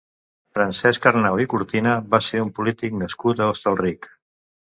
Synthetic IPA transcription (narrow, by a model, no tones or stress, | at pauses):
fɾənsɛskərnawikuɾt̪inəβaseumpulit̪ik̚nəskut̪əost̪əlˠrik